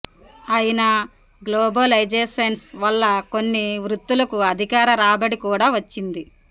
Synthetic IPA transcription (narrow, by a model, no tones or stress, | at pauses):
ɐjinɐ | ɡloːbɐlɐjd͡ʒeːsɐnsʋɐlːɐko̞nːiʋɾut̪ːulɐkuɐd̪ʱikaːɾɐɾaːbɐɽikuːɽaːʋɐt͡ʃːind̪i